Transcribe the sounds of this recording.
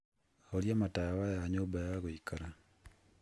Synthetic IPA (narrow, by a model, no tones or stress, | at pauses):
oljamatawajaɲobajaɣoikaɾa